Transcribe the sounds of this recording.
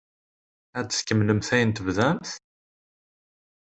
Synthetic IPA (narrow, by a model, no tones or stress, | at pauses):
æd̪skəmnəmθæjənt̪əvðæmθ